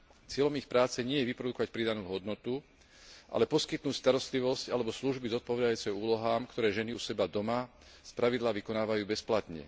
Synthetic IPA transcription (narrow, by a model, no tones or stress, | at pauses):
t͡sɪɛʎɔmixpɾaːt͡sɛɲɪɛjɛʋipɾɔd̪ukɔʋacpɾid̪anuːɦɔd̪nɔt̪u | ʔa̰lɛpɔskit̪nuːcst̪aɾɔst̪liʋɔscalɛbɔsluʒbizɔt̪̚pɔʋɛd̪ajuːt͡sɛuːlɔɦaːmkt̪ɔɾɛːʒɛniusɛbad̪ɔma | spɾaʋid̪laːʋikɔnaːʋajuːbɛsplat̪ɲɛ̰